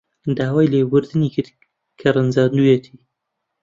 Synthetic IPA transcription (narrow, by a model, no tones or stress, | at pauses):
d̪aːwaːjleːwʊɾd̪ɨniːkɨt | kʰɐrɨnzaːnd̪uːjɛt̪ʰiː